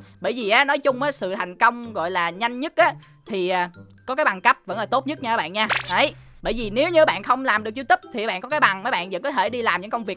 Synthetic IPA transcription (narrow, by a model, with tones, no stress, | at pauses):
ɓəː˧˨jvi˨˩ʔaː˨˦nɔ˨˦jt͡ɕʊ˧ŋ͡mʔaː˨˦sɨ̰˧˨t̪ʰa˨˩jŋ̟kə˧wŋ͡mɣɔ̰˧˨jlaː˨˩ɲa˧jŋ̟ɲə˦˥t̚ʔaː˨˦ | t̪ʰi˨˩ʔaː˨˩kɔ˨˦kaː˨˦jɓa˨˩ŋkə˦˥p̚və̰˧˥nlaː˨˩t̪o˦˥t̚ɲə˦˥t̚ɲa˧ə˨˦ɓa̰ː˧˨nɲaː˧ʔə˨˦jɓə̰ː˧˨jvi˨˩ne˨˦wɲɨ˧˨˩ɓa̰ː˧˨nxə˧wŋ͡mlaː˨˩mɗɨ˨˩ək̚t͡ɕi˧t̪ɨ˦˥p̚t̪ʰi˨˩a˨˦ɓ̰ːkɔ˨˦kaː˨˦jɓa˨˩ŋmə˨˦jɓa̰ː˧˨nzə̰˧˥nkɔ˨˦t̪ʰe˧˩ɗi˧laː˨˩mɲɨ̰˧˥ŋkə˧wŋ͡mvək̚